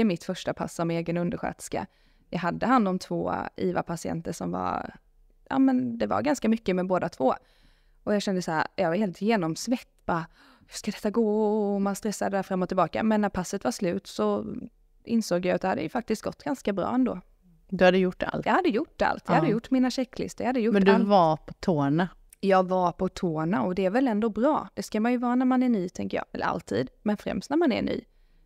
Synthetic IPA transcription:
əmɪt̪fœʂʈapʰa̰sːɔmeːɡənɵnd̪əɾɧø̰ːt̪ska̰ | jɑːɡɦad̪ːəhand̪ɔmt̪ʰv̥o̰ːḭːva̰pʰasɪɛ̰nt̪əʂɔmva̰ɾ | jʔɑ̰ːmɛnd̪ɛva̰ɾɡanskamʏkːəmɛboːd̪at̪ʰv̥oː | ʔɔjɑːɡɕɛnd̪əsahæːɾjɑːɡvaɾheːlt̪jeːnɔmsvɛt̪ːbɑ | hʉ̥ʂkad̪ɛt̪ːaɡoːɔmanst̪ɾɛsːad̪əd̪æːɾfɾamːɔt̪ʰːɪlbɑːka̰mɛnːæɾpʰasːət̪vaɾʂlʉ̟ːt̪sɔ | ɪnsoːɡjaat̪̚d̪ɛhad̪ːə̰jɵfak̚t̪ɪst̪̚ɡ̥ɔ̰t̪ːɡ̥anskabɾɑ̰ːɛnd̪o̰ː | d̪ɵhad̪əjʊʈːa̰lt̪jɑhad̪ːəjʊʈːa̰lt̪jɑːhad̪ːəjʊʈːmɪnaɕɛkːlɪ̰st̪əɾjahad̪ːəjʊmɛnd̪ɵvapʰɔt̪ʰoːɳa | jɑːɡvapʰɔt̪ʰoːɳaɔd̪ɛːɾvɛlɛnd̪obɾɑ̰ːd̪̥ɛskamanjɵvɑːɾanæɾmanæɳyːt̪ʰɛŋkəjɑ̰ːɛ̰lːə̰ɾa̰lt̪ʰḭːd̪mɛnfɾɛ̰mst̪næɾmanæ̰ɳy̰ː

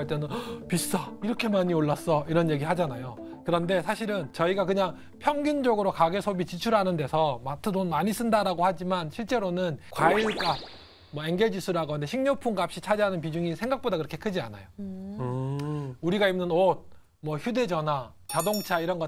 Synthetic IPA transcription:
aɭt͈enɯnpis͈aiɾʌkʰe̞maɲioɭːas͈ʌiɾʌnje̞ɡiɦad͡ʑanajo | kɯɾʌnde̞sʰaɕʰiɾɯnt͡ɕʌiɡakɯɲaŋ | pʰjʌŋɡund͡ʑʌɡɯɾokaɡe̞sʰobit͡ɕit͡ɕʰuɭɦanɯnde̞sʰʌmatʰɯdonmaɲis͈ɯndaɾaɡohad͡ʑimanɕʰiɭt͡ɕ͈e̞ɾonɯnkwaiɭk͈a | mwʌeŋɡeɭd͡ʑisʰuɾaɡondeɕʰiŋɲopʰuŋɡap̚ɕ͈it͡ɕʰad͡ʑeɦanɯnp̬id͡ʑuŋisʰe̞ŋɡak̚p͈odakɯɾʌkʰe̞kʰɯd͡ʑia̰na̰joɯ | uɾiɡaimnɯnot̚ | mʌçude̞d͡ʑʌna | t͡ɕadoŋt͡ɕʰaiɾʌnɡʌ

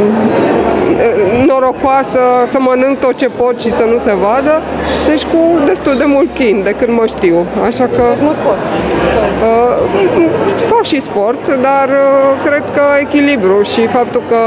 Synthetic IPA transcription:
no̞ɾo̞kwasəsəmənɨŋɡ̚t̪o̞t̪̚t͡ʃe̞po̞t̪ʃisənuse̞vad̪əd̪et͡ʃʲkud̪e̞st̪uld̪e̞mult̪̚klind̪e̞kɨnd̪məʃt̪iwaʃakə | ə | fakʃispo̞rt̪d̪arkɾe̞d̪kəe̞kʲilibɾuʃifap̚t̪ulkə

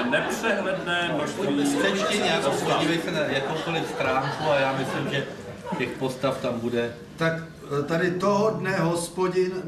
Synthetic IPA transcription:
nɛprɛɦlɛdnɛːssɛcɛɲaːkooɟiːvɛjsɛnajakowkolɪfst̪ɾaːŋkuajaːmɪslɪmʒɛ | cɛxpo̞st̪aft̪ambudɛ | t̪ak | t̪adɪt̪oɦodnɛɦo̞spo̞ɟɪn

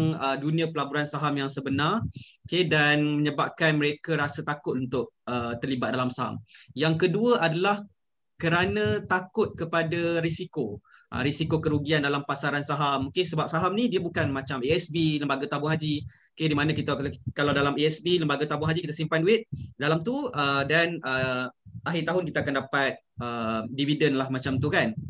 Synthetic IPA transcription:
ŋədunĩãpəlabuɾansaɦamjaŋsəbənarokedanmə̃ɲəbap̚kanməɾekaɾasət̪akʊt̪̚unt̪ʊk̚ət̪ərlibat̪̚dalamsaɦa̰mjaŋkəduəʔadalah | kəɾanãt̪akʊt̪̚kəpadaɾisiko | ʔə̰ɾisikokəɾuɡiandalampasaɾansaɦamokesəbap̚saɦamnidiabukanmat͡ʃamiɛsbiləmbaɡat̪abʊŋɦad͡ʒi | okedimanãkit̪akalawdalamiɛsbiləmbaɡat̪abʊŋɦad͡ʒikit̪asimpanduɪt̪̚dalamt̪uədanəʔaɦit̪aɦʊnkit̪akandapat̪̚ʔəmdividənlahmat͡ʃamt̪ukan

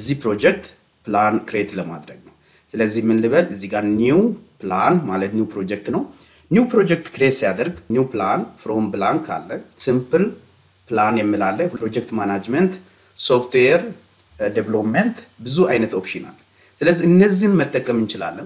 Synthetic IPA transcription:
əzːihpɾo̞d͡ʒɛk̚t̪ | plankʰɾet̪ləma̰d̪ɾəɡnəw | sɨləzːihmːɨnlɨβəlɨzːiɡaɾniwplanmalət̪njuwpɾo̞d͡ʒɛk̚t̪nəw | nuwpɾo̞d͡ʒɛk̚t̪kʰɾet̪sijad̪əɾɡniwplanfɾo̞mblankʰa̰lːəsɨmpɨl | planjɛmːilalːəɾo̞d͡ʒɛk̚t̪manad͡ʒmənt̪ | so̞ft̪weɾ | deβlopment̪bɨzuajnət̪o̞pʃina̰lː | sɨləzːiɨnːəzːihnmət̪ʼːəkʼːəmɨnt͡ʃɪla̰lːəm

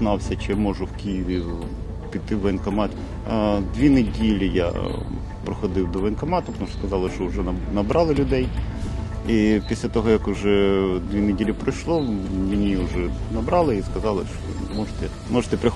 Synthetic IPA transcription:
nɑwsʲɐt͡ʃɪmɔʒʊwkʲijiʋʲi | pʲid̪t̪ːɪʋenkɐmɑt̪ʲ | d̪ʋʲinedʲilʲija̰ | pɾɔxɔd̪ɪwd̪ɔʋenkɐmɑt̪ʊpnɔskɐzɑlˠɪʃt͡ʃɔʊʒɛnɐbɾɑlˠɪlʲʊd̪ɛj | ipʲisʲlʲɐt̪ɔɦɔjɐkʊʒɛd̪ʋʲinedʲilʲɪpɾɐjʃlˠɔmɪnʲiʊʒɛnɐbɾɑlˠɪiskɐzɑlˠɪʃt̪ɔ̰mɔʒet̪ɛ | mɔʒet̪ɛpɾɪx

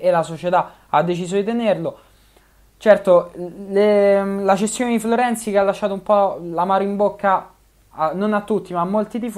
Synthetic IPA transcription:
elasot͡ʃet̪a | ad̪ːet͡ʃiːzod̪it̪enerlo | t͡ʃɛrt̪olelat͡ʃest̪joned̪ifloɾɛnt̪sikealːaʃːaːt̪oumpɔlamaːɾoimbokːa | nonat̪ːut̪ːimaːmːolt̪id̪if

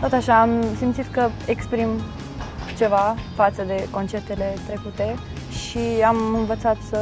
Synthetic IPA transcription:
t̪ot̪aʃaːmsimt̪t͡sit̪kəekspɾim | t͡ʃevafat̪səd̪e̞kont͡ʃert̪elet̪ɾekut̪e | ʃiamɨnvət̪sat̪

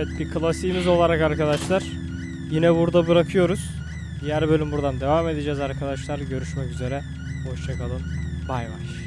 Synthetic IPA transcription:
ɛt̪̚bikʰɯlˠasiːmizo̞lˠaɾakaɾkad̪aʃlˠaɾ̥ | jinɛbuɾd̪abɯɾakʰɯjo̞ɾuz̥ | jæɾbø̞lʲymbuɾd̪and̪e̞vame̞d̪ed͡ʒɛːzaɾkʰad̪aʃlˠaɾɟø̞ɾyʃmɛcyze̞ɾɛ | ho̞ʃt͡ʃʰakʰalˠɯm | bajva̰ɾ̥

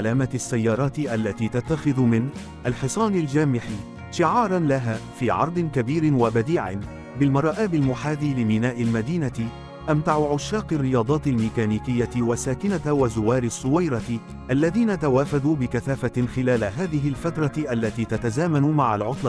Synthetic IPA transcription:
laːmaasːajːɑːɾˤɑːt̪ɪʔalːat̪iːt̪at̪ːaxɪðʊmɪn | ʔalħɨsˤɑːnɪld͡ʒaːmɪħi | ʃɪʕɑːɾˤɑnlaɦaːfiːʕɑ̰ɾˤd̪ˤɪnkabiːɾɪnwabad̪iːʕɪ̰n | bɪlmɑɾˤɑːʔaːbɪlmʊħaːd̪ilɪmɪnaːʔɪlmad̪iːnat̪ɪ | ʔamt̪aʕʊʕʊʃːaːqɪrːɪjɑːd̪ˤɑːt̪ɪlmiːkaːniːkɪjːatɪwasaːkɪnawazʊwɑːɾɪsˤːʊwajɾˤɑt̪ɪ | ʔalːaðiːnat̪awaːfaðuːbɪkaθaːfaxɪlaːlaɦaːðɪɦɪlfat̪ɾˤɑʔalːat̪iːt̪at̪azaːmanʊmaʕa̰lʕʊt̪ˤlɑ

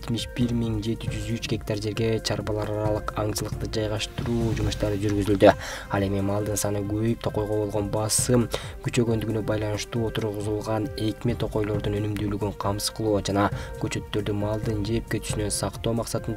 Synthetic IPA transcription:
et̪miʃbiɾmiŋd͡ʒe̞t̪id͡ʒyzyt͡ʃɡʲe̞k̚t̪ɑɾd͡ʒe̞ɾɡe̞t͡ʃʰɑɾbɑlˠɑɾɑɾɑlˠɯqɑŋt͡ʃɯlˠɯq̚t̪ɯd͡ʒɑjʁɑʃt̪ɯɾuːd͡ʒumuʃt̪ɑɾɯd͡ʒyɾɡyzyld̪y | ɑlˠe̞mimɑlˠd̪ɯnsɑnɯɡøjyp̚t̪ʰo̞qo̞jʁo̞bo̞lˠʁo̞nbɑsɯm | ɡ̥yt͡ʃø̞ɡø̞nd̪yɡynø̞bɑjlˠɑnɯʃt̪uːo̞t̪uɾʁuzulˠʁɑne̞kmet̪ʰo̞qo̞jlˠo̞ɾd̪unø̞nymd̪yːlyɡyɴqʰɑmsɯ̥sqɯlˠud͡ʒɑnɑɡ̥ø̞t͡ʃø̞t̪ːø̞ɾd̪ymɑlˠd̪ɯnd͡ʒe̞p̚kʲe̞t̪y̥synø̞nsɑqt̪o̞ːmɑqsɑt̪ɯnd̪

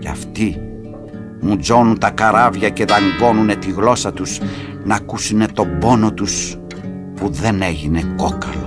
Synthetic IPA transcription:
cɐ̰ft̪i | mud͡zo̞nunt̪ɐkɐɾɐvʝɐce̞ðɐŋɡo̞nune̞t̪iɣlo̞sɐt̪us | nɐkusune̞t̪o̞bo̞no̞t̪us | puðe̞ne̞ʝine̞kokɐ̰lo

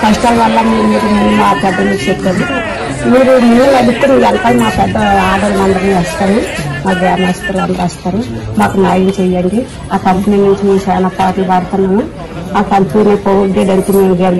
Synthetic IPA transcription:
kɐʂʈaːlʋɐlːɐmiːɾumiːɾumaːpɛd̪ːɐnut͡ʃit͡ʃepːadu | miːɾuminːɐlɐɽit̪ːemiːɾɐnt̪aːnmaːpɛd̪ːɐaːd̪ɐlʋɐnd̪ɐniɐst̪aːnimaːkʋjaːnaːt͡ʃɐ̥t̪ɐlɐnd̪ɐɾaːst̪aːɾumaːkunaːjɐmt͡ʃɛjːɐɳɖi | aːkɐmpɐniːnuɲt͡ʃimiːt͡ʃɛːnaːpaːʈlɐʋaːɾt̪ɐnːɐmu | aːkɐmpniniːpoʋuɡ̪eɖɐnt̪eːmenuɡel

